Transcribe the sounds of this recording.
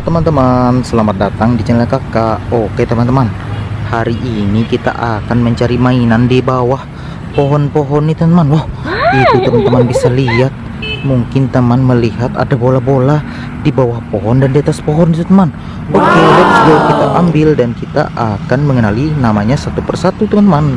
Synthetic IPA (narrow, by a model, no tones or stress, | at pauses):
t̪əmant̪əmansəlamat̪̚dat̪aŋdid͡ʒənəlakakaoket̪əmant̪əmanhaɾiʔinikit̪a̰ʔakanməɲt͡ʃaɾimainandibawah | poɦɔnpoɦɔnːit̪əmant̪əmanwahit̪ut̪əmant̪əmanbisaliat̪̚ | muŋkɪnt̪əmanməliɦat̪a̰dabolabolah | dibawahpoɦɔndandiat̪aspoɦɔndit̪ut̪əman | ʔokelaksəɡakit̪aʔambɪldankit̪a̰ʔakanməŋənalinamaɲasat̪upərsat̪ut̪əmant̪əman